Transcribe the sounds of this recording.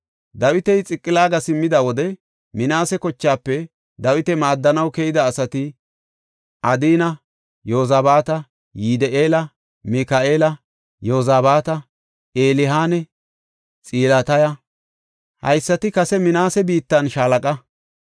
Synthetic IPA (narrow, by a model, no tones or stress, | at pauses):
d̪ɐwɪt̪ɛjt͡sʼɪkʼːɪlaːɡɐsɪmːɪd̪ɐwɔd̪ɛ | mɪnaːsɛkɔt͡ʃːaːpːɛ | d̪ɐwɪt̪ɛmaːd̪ːɐnɐwkɛjɪd̪ɐːsɐt̪ɪ | ʔɐd̪iːnɐ | joːzaːbaːt̪ɐ | jid̪ɛʔeːlɐ | mɪkaʔeːlɐ | joːzaːbaːt̪ɐ | eːlɪɦaːnɛ | t͡sʼiːlaːt̪ɐjɐ | hɐ̰jsːɐt̪ɪkɐsɛmɪnaːsɛbiːt̪ːɐnʃaːlɐkʼɐ